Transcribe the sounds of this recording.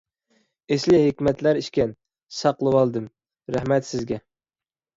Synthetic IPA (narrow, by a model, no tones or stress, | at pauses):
eslɪɦɪkʲmɛt̪læɾiʃkʲɛn | sɑqlˠɨwɑlˠd̪ɨm | ɾæhmɛt̪sɪzɡʲɛ